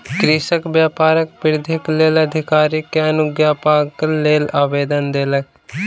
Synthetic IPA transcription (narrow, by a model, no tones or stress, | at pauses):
kɾɪsəkbjaːpaːɾək̚pɪɾd̪ʱɪkleːləd̪ʱɪkaːɾikːeɐnʊɡjaːpaːkleːlaːʋeːd̪ənd̪eːlək